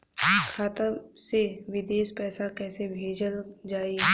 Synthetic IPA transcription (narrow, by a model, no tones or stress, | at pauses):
kʰaːt̪əseʋɪd̪eːʃpɛːsakɛːsebʱeːd͡ʒəld͡ʒaːi